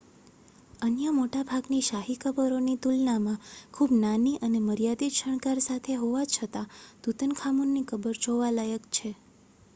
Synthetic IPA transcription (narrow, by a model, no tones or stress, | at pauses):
ənjəmoʈabʱaɡniʃaɦikʰəbəɾonit̪ulnamãkʰubnaniʔəneməɾijad̪iʃəɳ̃kaɾsat̪ʰeɦoʋat͡ʃʰət̪ad̪̥ut̪ənkʰamunːikəbəɾd͡ʒoʋalajəkt͡ʃʰe